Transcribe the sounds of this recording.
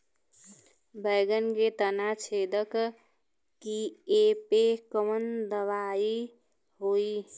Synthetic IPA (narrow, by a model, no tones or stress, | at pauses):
bəjɡənket̪ənat͡ʃʰed̪ək | kiepekəmənd̪əβai | ɦoi